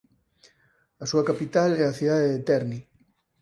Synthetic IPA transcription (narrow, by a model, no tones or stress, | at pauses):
asuɐkapit̪alɛaθiðaðeðet̪ɛɾni